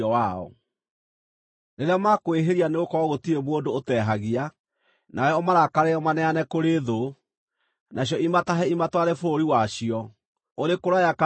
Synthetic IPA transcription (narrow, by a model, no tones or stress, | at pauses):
ɔwaɔ̰ | neɾeamakoeɦeɾianeɣokɔɣotiemwondoːtɛɦaɣia | nʔaɛɔmaɾakaɾeɔmanɛanɛkoɾeðo | nʔaɕ̬jɔimataɦɛimatwaɾɛfooɾiwaɕiɔ | oɾekoɾajaka